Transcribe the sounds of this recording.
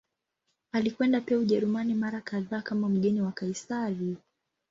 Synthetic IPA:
alikwɛndapiauʄɛɾumanimaɾakaðaːkamam̩ɠɛniwakaisaɾi

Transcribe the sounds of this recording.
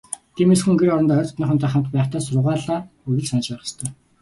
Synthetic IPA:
t̪ʰiːmesxuŋɡeɾɔɾɞnt̪œːt̪ɔ̥t̪niːχə̆nt̪ʰæːχamt̪pæːχt̪ʰæːsʊɾʁaːɮaːɵɣʲɘ̆ɮsanə̆t͡ɕpæːχə̥̆st̪ʰœ̆ː

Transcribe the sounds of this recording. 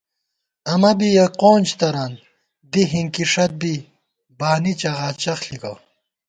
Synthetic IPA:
ɐmɐbijɐqoːnt͡ɕt̪ɐɾan | d̪iɦiŋkiʂɐt̪̚bi | baːnit͡ɕɐʁaːt͡ɕɐxɬikɐ

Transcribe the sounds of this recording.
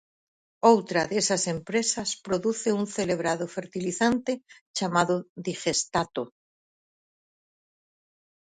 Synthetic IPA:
owt̪ɾaðesasempɾesaspɾoðuθeunθeleβ̞ɾaðofeɾt̪iliθant̪e | t͡ʃamaðoðixest̪at̪o

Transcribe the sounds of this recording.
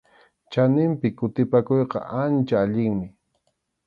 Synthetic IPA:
t͡ʃanɪmpɪkʊt̪ɪpakojqɑ̰ʔant͡ʃaːʎɪŋmɪ

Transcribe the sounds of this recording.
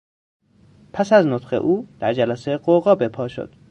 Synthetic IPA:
pʰæsæznot̪χḛʔuːd̪̥æɾd͡ʒælæseɢoɣɒːbe̞pʰɒːʃo̰d̪̥

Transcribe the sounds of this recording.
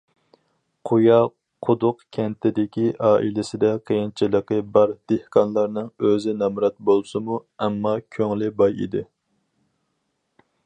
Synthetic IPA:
qʰujɑ | qʰod̪ʊqkʲʰɛnt̪ʰɪd̪ɪkʲiʔɑːʔilɪsɪd̪ɛqʰejint͡ʃʰilˠəqəbɑɾd̪̥ehqʰɑnlˠɑɾnɨŋøzɪnɑmɾɑt̪̚bolˠsɨmuɛmːɑkʲʰøŋlɪbɑjḭd̪ɪ

